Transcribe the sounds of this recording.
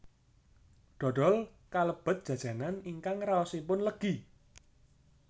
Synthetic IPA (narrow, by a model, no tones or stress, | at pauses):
ɖ̥ɔ̤ɖ̥ɔ̤l | kaləb̥ə̤t̪̚dʒ̥ä̤dd͡ʒ̥a̤naniŋkaŋraɔsipʊnləɡ̥i